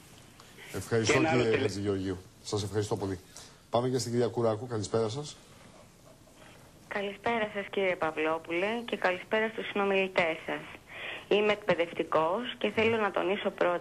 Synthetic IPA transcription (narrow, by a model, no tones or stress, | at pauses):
e̞fxɐɾist̪ociɾieet͡siʝeo̞ɾʝiusɐse̞fxɐɾist̪o̞po̞li | pɐmecest̪iɟiɾiɐkuɾɐkukɐlispe̞ɾɐsɐs | kɐlispe̞ɾɐsɐsciɾie̞pɐvlo̞pule̞ce̞kɐlispe̞ɾɐst̪usino̞milit̪e̞sɐsimeːk̚pe̞ðe̞ft̪iko̞sce̞θe̞lo̞nɐt̪o̞̰niso̞pɾo̞t̪